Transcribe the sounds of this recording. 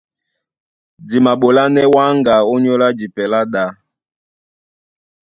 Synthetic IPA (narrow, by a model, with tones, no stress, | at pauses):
d͡zi˨ma˨ɓo˨la˦nɛ˦wa˦ŋɡa˨o˦ɲɔ˦la˦d͡ʒi˨pɛ˨la˦ɗa˦